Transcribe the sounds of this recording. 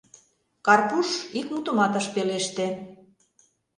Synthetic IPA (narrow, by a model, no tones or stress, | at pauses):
kɑrpuʃikmut̪omɑt̪ə̆ʃpeleʃt̪ĕ